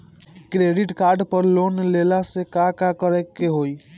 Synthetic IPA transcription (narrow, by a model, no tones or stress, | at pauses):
kɾeɖiʈkaɾɖpəɾlonlelasekakakəɾɛkːeɦoj